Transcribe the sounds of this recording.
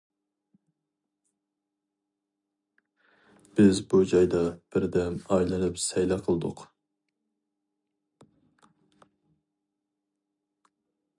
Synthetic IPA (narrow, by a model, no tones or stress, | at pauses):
b̥ɪzbud͡ʒɑjd̪ɑb̥ɪɾd̪ɛmɑjlˠɨnɨpsɛjlɛqʰəlˠɨd̪ʊ̰q